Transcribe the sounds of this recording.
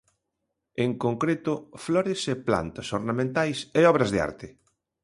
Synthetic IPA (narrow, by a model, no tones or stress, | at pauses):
eŋkoŋkɾet̪ʊflɔɾɪsepla̰nt̪ɐsoɾnamẽnt̪ajseɔβɾɐzðɪa̰ɾt̪ɪ